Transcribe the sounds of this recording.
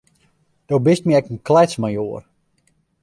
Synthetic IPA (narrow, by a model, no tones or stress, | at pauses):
d̥oːbɪst̚miɛkənklɛt͡smajoər